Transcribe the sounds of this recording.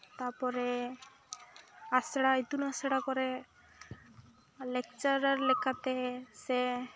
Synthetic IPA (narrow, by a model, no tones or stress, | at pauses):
t̪aɾpɔɾe | aseɽait̪unasɛɽakɔɾɛ | lek̚t͡ʃaɾaɾlɛkʰat̪ɛsɛ